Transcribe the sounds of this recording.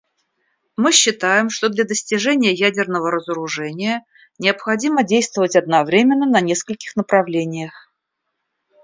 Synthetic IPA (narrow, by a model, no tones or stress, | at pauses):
mɨɕːɪt̪ajɪmʂt̪od̪lʲad̪əsʲtʲɪʐɛnʲɪjəjædʲɪrnəvəɾəzəɾʊʐɛnʲɪjə | nʲɪəpxɐdʲimədʲejst̪vəvətʲɐd̪̚nɐvɾʲemʲɪnːənɐnʲe̞skəlʲkʲɪ̥xnəpɾɐvlʲenʲɪjəx